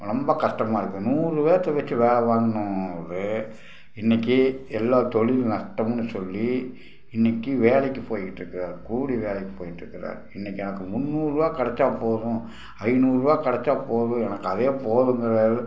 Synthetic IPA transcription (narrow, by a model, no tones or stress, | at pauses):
nɐmbɐkɐʂʈɐmaːɪɾɯkːɯ̃nuːɾɯʋeːɾɐt̪ːɐʋɛt͡ʃːɯʋeːɭɛʋaːŋɡɐɳʊ̃ɾɯ | ɪnːɛkːɯɛlːaːt̪ɔɭɪlnɐʂʈɐmnːɯsɔlːi | ɪnːɛkːɯʋeːlɛkːɯpoːjɪʈːɾɯkːɯɾaːɾkuːɽiʋeːlɛɪkːɯpoːjɪʈːɾɯkːɪɾa̰ːɾɪnːɛkːɛnɐkːɯmʊnːuːɾɯʋaːkɐɽɛt͡ʃːaːpoːðʊ̃ | ɐɪnuːɾɯʋaːkɐɽɛt͡ʃːaːpoːðʊ̃ɛnɐkːɐðeːpoːðɯŋɡɐɾɐ